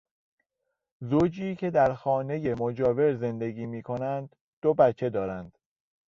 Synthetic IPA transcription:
zoːd͡ʒiːcʰe̞d̪æɾxɒːne̞je̞mod͡ʒɒːve̞ɾze̞nd̪e̞ɡiːmiːkʰo̞nænd̪̥ːobæt͡ʃʰːe̞d̪ɒːɾænd̪̥

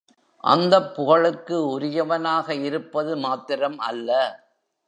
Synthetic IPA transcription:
ʔɐ̰nd̪ɐpːʊɣɐɭɯkːɯʊɾɪjɐʋɐnaːɣɐɪɾɯpːɐðɯmaːt̪ːɪɾɐmɐ̰lːɐ

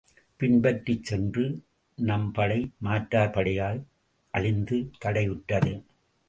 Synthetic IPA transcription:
pɪnbɐʈrit͡ʃsɛndrɯ | nɐmpɐɽɐɪmaːʈɾaːɾpɐɽɐjaːl | ʔɐɻɪnd̪ɯt̪ɐɽɐɪɯʈːɐðɯ

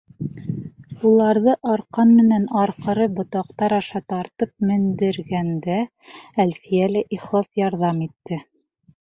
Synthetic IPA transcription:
ulˠɑɾðɤʔɑɾqɑnmɘ̆nænɑɾqɤ̆ɾɤbŏt̪ɑqt̪ɑɾɑʃɑt̪ɑɾt̪ɤp̚mɘ̆nd̪ɘ̆ɾɡænd̪æ | ælfijælæʔiχlˠɑsjɑɾðɑmit̪ːɘ

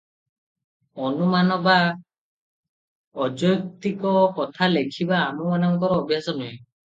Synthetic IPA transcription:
ɔnumanɔba | ɔd͡ʒɔjɔt̪ikɔkɔt̪ʰalekʰibaːmumanaŋkɔɾɔːbiɦasɔnɦue

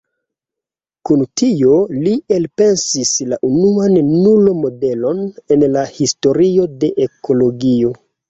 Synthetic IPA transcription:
kuntʰio̞lielpe̞nsislaʔunuanːulomo̞de̞lo̞ne̞nlahisto̞ɾio̞de̞ʔekʰo̞lo̞ɡio̞

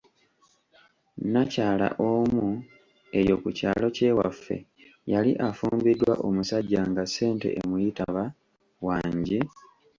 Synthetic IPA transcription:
nacaːla̰ʔo̞mu | e̞jo̞kucaːlo̞ce̞wa̰fːe̞̰ | jaliʔafuːmbidwa̰ʔomusaɟːaŋɡase̞ːnte̞̰ʔemujitaβa | waːɲɟi

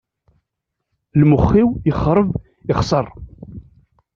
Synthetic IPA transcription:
lmʊχːiwjəχɾˤəv | ɪχsˤərˤ

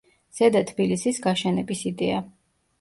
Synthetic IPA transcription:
z̥ɛd̪at̪ʰbilisisɡaʃɛnɛbisid̪ɛa

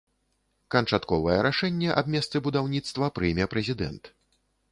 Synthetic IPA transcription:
kɐnt͡ʂat̪kɔvɐjɛɾaʂɛnʲːɛʔab̚ʲmʲɛst̪sɨbud̪awnʲit̪st̪vɐpɾɨjmʲɛpɾɛzʲid̪ɛ̰nt̪

